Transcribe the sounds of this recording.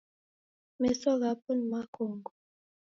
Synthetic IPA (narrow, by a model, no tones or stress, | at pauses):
mɛsɔɣap̚ʰunmakʰoːŋɡɔ